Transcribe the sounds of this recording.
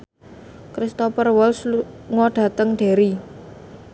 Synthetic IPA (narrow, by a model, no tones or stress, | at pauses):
kɾist̪ɔpərwɔlsŋɔɖ̥a̤t̪əŋɖ̪̥e̤ɾi